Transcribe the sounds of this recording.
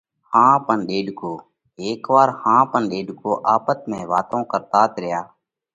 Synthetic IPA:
hãːpənɗeːɖʱkoː | eːkʋaːɾhãːpənɗeːɖkoːʔaːpət̪mẽːʋaːt̪õːkəɾt̪aːt̪ɾɪjaː

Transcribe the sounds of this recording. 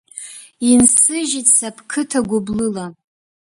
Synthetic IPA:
insɨʒitʼsapʰkʰɨtʰaɡʷʊblɨla

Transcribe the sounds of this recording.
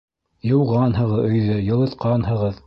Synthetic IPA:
jɤ̆wʁɑnɦɤ̆ʁɤɵ̆jðɵjɤ̆lˠɤ̆t̪qɑnhɤ̆ʁɤð

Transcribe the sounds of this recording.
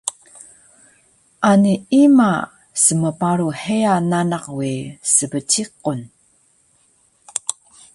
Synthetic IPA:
ʔaniima | səməpaɾuħejananaqwisəbət͡ɕiqun

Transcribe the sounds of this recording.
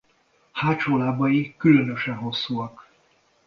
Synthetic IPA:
haːt͡ʃoːlaːbɒjikylø̞nø̞ʃɛnɦo̞sːuɒk

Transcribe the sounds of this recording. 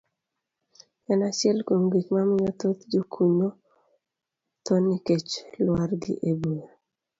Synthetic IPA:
ɛnat͡ʃɪɛlkomɡikmamɲɔt̪ot̪d͡ʒokʰuɲo | t̪onːiket͡ʃlwaɾɡɪ̰ʔebuje

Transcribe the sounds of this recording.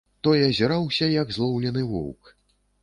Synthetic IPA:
t̪ɔjɐzʲɛɾawsʲɐjɐɡzlˠɔwlʲɛnɨvɔ̰wk

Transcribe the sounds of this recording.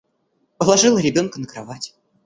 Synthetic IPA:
pəlˠɐʐɨlˠəɾʲɪbʲo̞nkənəkɾavatʲɪ̥

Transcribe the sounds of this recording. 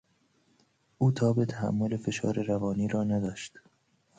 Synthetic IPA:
ʔuːt̪ʰɒːbet̪ʰæɦæ̰mːolefe̞ʃɒ̰ːɾeɾævɒːniːɾɒːnæd̪ɒːʃt̪

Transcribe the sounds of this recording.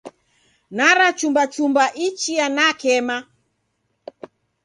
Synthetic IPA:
naɾat͡ʃumbat͡ʃumbaʔit͡ʃianakɛma

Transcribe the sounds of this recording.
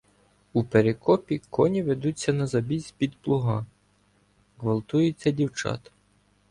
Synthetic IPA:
upeɾekɔpʲikʰɔnʲiʋed̪ut͡sʲːɐnɐzɐbʲisʲpʲid̪plˠʊɦɑ | ɦʋɐlˠt̪ujet͡sʲːɐdʲiwt͡ʃɑ̰t̪ɐ̥

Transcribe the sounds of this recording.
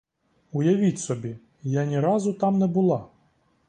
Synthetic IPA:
ʊjɐʋʲitʲsɔbʲi | janʲiɾɑzʊt̪ɑmnɛbʊlˠɑ

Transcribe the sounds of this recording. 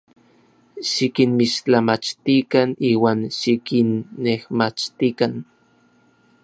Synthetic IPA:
ʃikinmiʃt͡ɬamat͡ʃt̪ikaniːwaːnʃikinːehmat͡ʃt̪ikan

